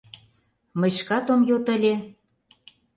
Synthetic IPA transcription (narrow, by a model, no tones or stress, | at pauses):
mə̆ʃkɑt̪omjot̪ə̆lʲe